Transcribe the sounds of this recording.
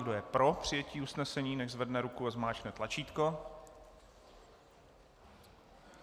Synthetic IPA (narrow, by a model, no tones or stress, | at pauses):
ɡdojɛpɾo̞pr̝̥ɪjɛciːusnɛsɛɲiːnɛʒzvɛdnɛɾukuɛzmaːt͡ʃnɛt̪lat͡ʃiːt̪ko̞